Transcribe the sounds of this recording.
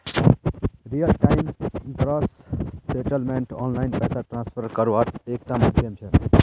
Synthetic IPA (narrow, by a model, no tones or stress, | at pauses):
ɾijəlʈaɪmkɾɔsseʈəlmẽɳʈɔːnlaɪnpɛːsaʈɾãnspʰəɾkəɾuʋaʈeːk̚ʈamd͡ʒiemt͡ʃʰe